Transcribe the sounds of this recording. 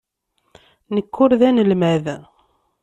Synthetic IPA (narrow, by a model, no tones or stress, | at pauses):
nəkːʊɾðænəlmæð